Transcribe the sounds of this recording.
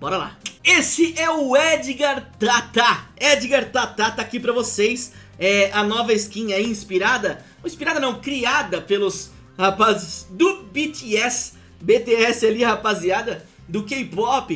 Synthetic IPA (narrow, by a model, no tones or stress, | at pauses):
b̥ɔɾɐla̰esɪʔɛʊɛd͡ʒiɡaɾt̪at̪aɛd͡ʒiɡaɾt̪at̪at̪aːkipɾɐvosejs | ɛɐnɔvɐɪskĩɲɐɛĩspiɾad̪ɐ | ĩspiɾad̪ɐnɐ̃w̃kɾiad̪ɐpelʊs | hapazɪsd̪ʊbit̪iɛs | bet̪eɛsɪalihapaziad̪ɐ | d̪ʊkejpɔpɪ